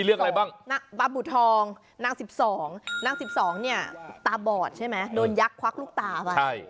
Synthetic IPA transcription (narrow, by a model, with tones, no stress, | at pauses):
i˧lɯ˥˩ŋʔa˧a˧jbaː˥˩ŋna˦˥ba˧bu˨˩t̪ʰːɔː˧ŋ | na˧˥˩ŋsi˨˩p̚sɔː˩˦ŋna˧˥˩ŋsi˨˩p̚sɔː˩˦ŋni˥˩ɐt̪aː˧bɔː˨˩t̪̚t͡ɕʰa˥˩jma˦˥jdoː˧nja˦˥kʰwa˦˥luː˥˩k̚t̪aː˧˩ʔwa˧a˥˩j